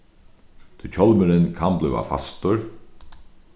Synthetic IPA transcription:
t̪ʰɪcʰɔlmɪɾɪnkʰanblɪʋa̰fa̰st̪ʊɹ

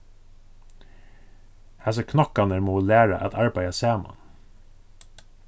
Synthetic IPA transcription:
hɛsəkʰnɔkɑnəmoːlæːɹa̰ʔɑ̰t̪ɑɹbæɪjasæːmɑ̰n

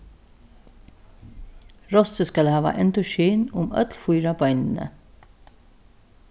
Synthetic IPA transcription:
ɹɔst̪əskɑlhɑːʋɑ̰ʔɛnt̪ʉʃiːnʊmœ̰t̪lfuʏɾɑbœʏnn̩ə̰

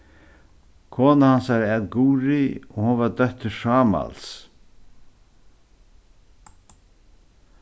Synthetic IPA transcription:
kʰoːnahansaɾɛðɡuːɾɪɔhʊnvad̪œht̪ʏʂaːma̰ls

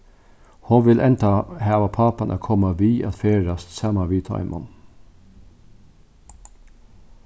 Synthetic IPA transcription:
hʊnʋɪlʔɛnt̪ahæːʋapʰɑːpanʔæ̰t̪kʰɔmaʋiːæ̰t̪feːɹast̪sɑːmaʋiːt̪ʰɔ̰ɪmʊ̰n

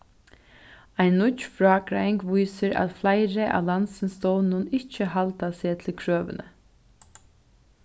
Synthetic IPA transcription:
aɪnːʊtfɹɑːkɾajŋkʋujsɪɾa̰ðflajɾəʔa̰ʋlansɪnst̪ɔwnʊnɪht͡ʃəɦalt̪asɛːt̪ʰɪlkʰɾøːʋɪ̰nə̰

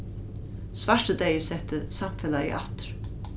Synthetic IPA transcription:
sʋɑʂʈəd̪eɪsɛt̪əsɑmfɛlɑḭːʔɑt̪ɾ

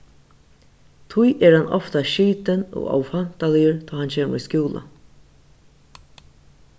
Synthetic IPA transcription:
t̪ʰʊjʔɛɾhanɔft̪aʃiːt̪əno̰ɣa̰wfan̥t̪alɪjəɹt̪ʰɔaːhancʰeːmḭskjuːlˠa̰

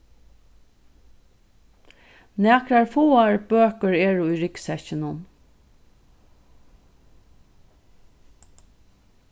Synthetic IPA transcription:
næːkɾaɹfoːaɹbøːkəɹɛːɹʊʊjɹɪksɛʃɪnʊn

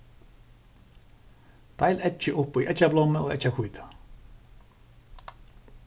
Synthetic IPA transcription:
d̪̥æɪlɛt͡ʃəʔʊpɔiːʔɛt͡ʃablɔməʔoːʔɛt͡ʃakʰujt̪ʰɑ̥

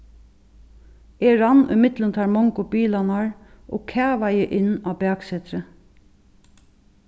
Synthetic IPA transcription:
ɛɹanʊ̰mɪt̪lənt̪ʰaɹmɔŋkʊbiːlanaɹ | ʔo̰ːɡkʰæːʋajɪʔɪnːabæːksɛːt̪ɾə

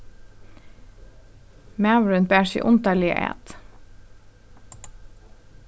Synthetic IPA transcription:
mæːʋɹʉn̚bæːʃḭːʔʊnt̪ɑliə̰ʔḛːt̪

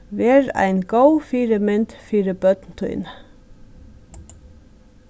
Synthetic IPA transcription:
ʋeːɹæ̰ɪnɡɑʊfiːɾəmɪnt̪fiːɾəbœt̪n̩t̪ʰœ̰ɪn

